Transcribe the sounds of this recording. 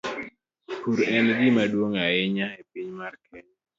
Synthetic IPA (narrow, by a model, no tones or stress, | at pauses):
puɾɛnɡɪmadwoŋaɪɲaepiɲmarkʰɛɲ